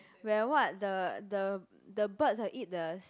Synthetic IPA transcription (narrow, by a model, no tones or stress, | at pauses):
wɛwɔt̚dədə | dəbət̚saʔit̚dəs